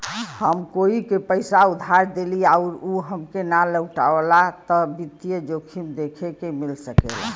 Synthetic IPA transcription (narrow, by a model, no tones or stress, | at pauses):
həmkoikepəɪsaud̪ʱaɾd̪eliaʊɾuɦəmkenaləʊʈa̰əlat̪ɔbit̪ːijəd͡ʒokʰimd̪ekʰekemilsəkela̰